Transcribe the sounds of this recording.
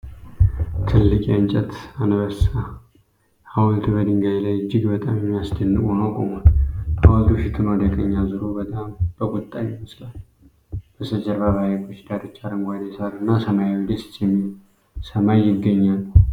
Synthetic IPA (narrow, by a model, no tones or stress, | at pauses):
t̪ʰɨlːɨkʼant͡ʃʼɛt̪anβəsa | awɔlt̪ʰubəd̪ɨŋɡajlajɨd͡ʒːɪɡbət̪ʼamjɛmːijasd̪ənːɨkʼonəwkʼomanʔawɔlt̪ʰuʃɪt̪ʰɨnwad̪əkʼəɲːazɨɾobət̪ʼamb̥əɡʼʊt̪ʼːajɪməslal | b̥əsəd͡ʒəɾbaβajɛkʰʼoʃd̪ad̪ət͡ʃːaɾɨŋɡʷad̪asaɾɨnːasəmajawid̪əst̪jɛmːi | səmajːɪɡːəɲːalːə